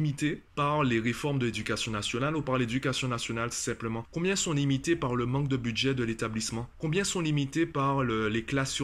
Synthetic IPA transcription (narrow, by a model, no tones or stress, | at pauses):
mit̪epaʁleʁefɔʁmd̪əled̪ykasjɔ̃nasjɔnalupaʁled̪ykasjɔ̃nasjɔnalsɛ̃pləmɑ̃kɔ̃bjɛ̃sɔ̃limit̪epaʁləmɑ̃k̚d̪əbyd̪ʒɛd̪əlet̪ablismɑ̃kɔ̃bjɛ̃sɔ̃limit̪epaʁlleklas